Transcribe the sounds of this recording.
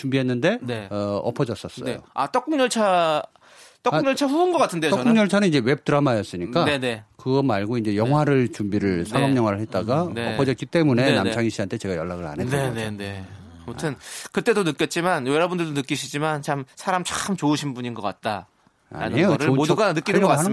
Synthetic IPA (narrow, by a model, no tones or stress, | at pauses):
t͡ɕumbiɦe̞nːɯnde̞ne̞ʌʌpʰʌd͡ʑʌs͈ʌs͈ʌjo̰a̰t͈ʌk͈uŋɲʌɭt͡ɕʰa | t͈ʌk͈uŋɲʌɭt͡ɕʰaɸuɯnɡʌk͈atʰɯndeoʌkʌuŋɲʌɭt͡ɕʰanɯnid͡ʑe̞we̞p̚t͈ɯɾamajʌs͈ɯɲik͈anene̞kɯɡʌmaɭɡoind͡ʑe̞jʌŋɦwaɾɯɭt͡ɕumbiɾɯɭsʰaɡʌmɲʌŋwaɾɯɭhet̚t͈aɡaeʌpʰʌd͡ʑʌt̚k͈it͈e̞mune̞namt͡ɕʰaŋiɕ͈ʰiantʰe̞t͡ɕe̞ɡajʌɭːaɡɯɾa̰nenenene̞ | motʰɯnkɯt͈e̞donɯk͈jʌt̚t͡ɕ͈imanjoɾabundɯɭdonɯk͈iɕʰid͡ʑimant͡ɕʰamsʰaɾamt͡ɕ͈ḁxɯmt͡ɕoɯɕʰinbuɲinɡʌk͈at̚t͈a | a̰ɾa̰nioʌɾɯɭmoduɡanɯinɯnɡʌk͈a